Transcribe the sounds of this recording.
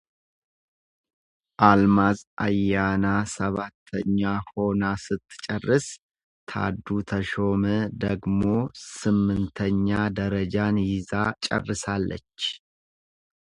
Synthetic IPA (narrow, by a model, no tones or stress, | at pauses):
ʔalmazʔajanasəβat̪ʰːəɲːaho̞nasɨt̪ʰːɨ̥t͡ʃʼərːɨs | t̪ʰa̰d̪ut̪ʰəʃo̞məd̪əɡmo̞sɨmːɨnt̪ʰəɲːad̪əɾəd͡ʒanjɪzat͡ʃʼə̰rːɨsalːə̰t͡ʃː